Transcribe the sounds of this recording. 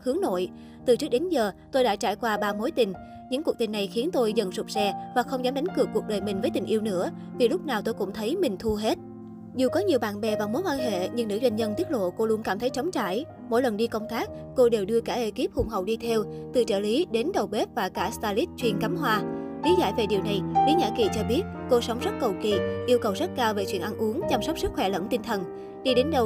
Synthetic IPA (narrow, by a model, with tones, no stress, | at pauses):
hɨ˨˦ŋno̰˧˨j | t̪ɨ˨˩t͡ɕɨ˦˥k̚ɗe˨˦nzəː˨˩t̪o˧jɗa̰ː˧˥t͡ɕaː˧˩jkwaː˧ɓaː˧mo˨˦jt̪ï˨˩ŋ̟ | ɲɨ̰˧˥ŋku˨˩k̚t̪ï˨˩ŋ̟na˨˩jxi˨˦ənt̪o˧jzə̰˧˨˩nsʊ˨˩k͡p̚sɛ˧vaː˨˩xə˧wŋ͡mzaː˨˦mɗa˨˦jŋ̟kɨ˨˩əkːu˨˩ək̚ɗəː˨˩jmï˨˩ŋ̟vəː˨˦jt̪i˨˩ŋ̟ʔi˧wnɨ̰˧˥ə | vi˨˩lʊ˦˥p̚naː˨˩wt̪o˧jkʊ̰˧˥ŋ͡mt̪ʰə˨˦jmï˨˩ŋ̟t̪ʰu˧ɦe˦˥t̚ | zu˨˩kɔ˨˦ɲi˨˩əwɓa̰ː˧˨nɓɛ˨˩vaː˨˩mo˨˦jkwaː˧nɦḛ˧˨ɲɨ˧ŋnɨ̰˧˥zwa˧jŋzə˧nt̪i˦˥ət̚lo̰˧˨ko˧lu˨˦ənkaː˧˩mt̪ʰə˨˦jt͡ɕɔ˨˦wŋ͡mt͡ɕa̰ː˧˩j | mo̰˧˥jlə˨˩nɗi˧kə˧wŋ͡mt̪aː˦˥k̚ | ko˧ɗe˨˩wɗɨ˧əkaː˧˩ʔe˧˩ki˦˥əp̚hʊ̰˧˩ŋ͡mɦə̰˨wɗi˧t̪ʰɛ˧wt̪ɨ̰˨˩t͡ɕə̰ː˧˩li˨˦ɗe˨˦nɗə˨˩wɓe˦˥p̚vaː˨˩kaː˧˩st̪aː˧li˦˥t̚t͡ɕwi˧˩ənka˨˦mɦwaː˧li˨˦za̰ː˧˩˨jve˨˩ɗi˨˩əwna˨˩jlḭ˨˦ɲa̰ː˧˥ki˨˩t͡ɕɔ˧ɓi˦˥ət̚ko˧sə˨˦wŋ͡mzə˦˥t̚kə˨˩wkḭ˧˩˨ʔi˧əwkə˨˩wzə˦˥t̚kaː˧wve˨˩t͡ɕwḭ˧˩ənʔa˧nʔu˨˦əŋt͡ɕa˧msɔ˦˥k͡p̚sɨ˦˥k̚xwɛ˧˩lə̰˧˥nt̪i˧nt̪ʰə˨˩n | ɗi˧ɗe˨˦nɗə˨˩w